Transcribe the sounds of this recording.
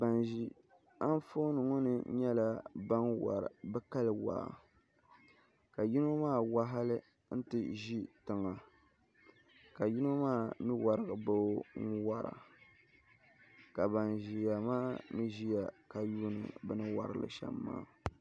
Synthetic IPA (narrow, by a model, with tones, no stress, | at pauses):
ba˨nʒi˨ | a˦n˦fo˦nɨ˨ŋɔ˦nɨ˦ɲɛ˦la˨ba˦nwa̰˨ɾbɛ˦ka˦lɨ˨wa̰˨ | ka˨ji˦no˦maː˦˨wa˦ɦa˦lɨ˦ | n̩˦tɨ˨ʒi˦tɨ˨ŋa˨ | ka˨ji˦no˦maː˦˨nɨ˦wa˨ɾɨ˦˨ɡɨ˨bo˦ŋ̩˦wa˨ɾa̰˨ | ka˨ba˨nʒi˨ja˨maː˦mɨ˦ʒi˦ja˨ka˨juː˦nɨ̰˨bɛ˦nɨ˦wa̰˨ɾɨ˨lɨ̰˨ʃɛ̰˦mːa̰ː˦